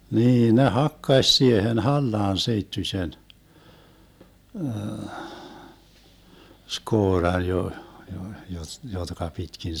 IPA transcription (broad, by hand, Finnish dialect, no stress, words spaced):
niːn ne hɑkːɑsʲ siehen hɑlːɑːn seitːysʲen skoːrɑn jo jo jot jotkɑ pitkin